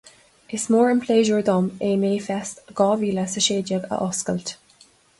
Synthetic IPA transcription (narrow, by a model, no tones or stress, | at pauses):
ɪsmoːɹənpʰleːʒuɹd̪ɔmeːneːfɛstɡ̥ɑːviːləsəʃeːdəɡə̰ʔɔskəlt